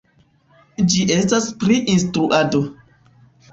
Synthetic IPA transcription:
d͡ʒiʔe̞staspɾiʔinstɾuʔado

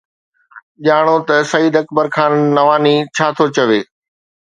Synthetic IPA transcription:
ʄaːɽ̃ot̪ɐsɐiːd̪ɐkbəɾkʰaːnːɐʋaːnit͡ɕʰaːt̪ʰot͡ɕɐʋeː

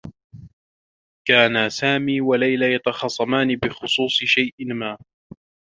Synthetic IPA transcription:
kaːnasaːmiːwalajlajɑt̪ɑxɑsˤːɑmaːnɪbɪxʊsˤuːsˤɨʃajʔɪmaː

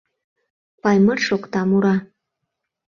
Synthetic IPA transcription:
pɑjmɤrʃokt̪ɑmuɾɑ

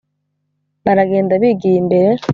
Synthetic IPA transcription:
βaɾaɡe̞ːndaβiɡiimbeɾe

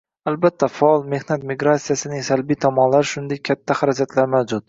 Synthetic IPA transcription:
albat̪ʰːafaɒlˠme̞hnat̪miɡɾat̪sijasɪnɪŋsalbijt̪ʰɒmɒnlaɾɪʃʊnd̪ekʲʰːat̪ʰːahaɾad͡ʒat̪ʰlaɾmawd͡ʒʊt̪

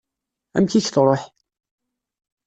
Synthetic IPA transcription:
æ̰mçiçθɾˤoħ

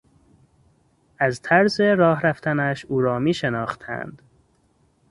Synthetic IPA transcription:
ʔæzt̪ʰæɾze̞ɾɒːɦɾæft̪ʰænæʃuːɾɒːmiːʃenɒːxt̪ʰæ̰nd̪̥

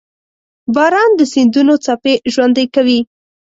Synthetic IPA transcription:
bɑɾɑnd̪əsind̪unot͡sapeʒwand̪ajkawi

